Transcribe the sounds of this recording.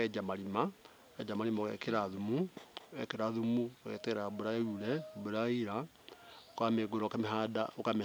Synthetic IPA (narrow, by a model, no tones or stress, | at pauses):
ɛd͡ʒamaɾima | ɛd͡ʒamaɾimaoɣɛ̰keɾaðumuɛkeɾaðumuaɣɛ̰tɛɛɾaboɾauɾɛboɾaiɾa | okameɡoɾɔkameɦadaokame